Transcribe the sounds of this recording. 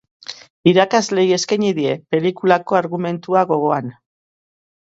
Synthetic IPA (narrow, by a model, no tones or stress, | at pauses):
iɾakazle̞je̞skaɲiðie̞pe̞likulako̞aɾɣume̞nt̪uaɣo̞ɣ̞o̞an